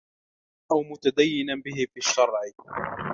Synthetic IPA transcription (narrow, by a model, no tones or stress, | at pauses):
ʔawmʊt̪ad̪ajːɪnanbɪɦɪfiːaʃːɑɾˤʕ